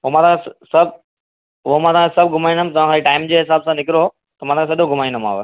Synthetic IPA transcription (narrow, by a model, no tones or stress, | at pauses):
omãt̪ãkẽssɐbʱ | ʊɦomãːt̪ʰãːkʰẽsɐb̚ʱɡʱʊmaːĩnd̪əm̆t̪ɐʋãːkʰaiʈaːɪmd͡ʑeːɦɪsaːbsãnɪkɪɾo | t̪ɐmãt̪ãːkʰesɐɗõɡʱʊmaːĩnd̪əma̰ːʋe